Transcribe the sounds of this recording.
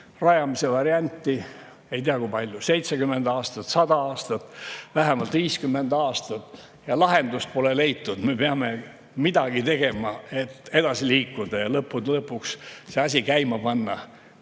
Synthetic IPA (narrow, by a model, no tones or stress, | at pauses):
rɑjɑmise̞vɑɾiɑnʲt̪ːi | e̞jt̪iɑkujpɑlʲjuse̞jt̪seɡymːe̞nd̪ɑːst̪ɑt̪sɑd̪ɑɑːst̪ɑt̪ːvæɦemɑlt̪viːskymːe̞nd̪ɑːst̪ɑt̪ː | jɑlɑɦe̞nd̪ust̪̚po̞lele̞jt̪ːud̪̥me̞peɑme̞ | mid̪ɑɡ̥it̪e̞ɡ̥e̞mɑe̞t̪ːe̞d̪ɑsiliːkːˑud̪̥ɑjɑlɤpːud̪̥lɤpːˑuksse̞ɑs̬ʲikæjmɑpɑnːɑ